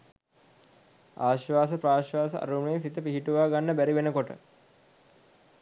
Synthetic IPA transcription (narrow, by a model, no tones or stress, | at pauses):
a̰ːʃʋaːsəpɾaːʃʋaːsəa̰ɾuːmjensit̪əpiɦiʈuʋaːɡanːəbæɾiʋenəkoʈə̰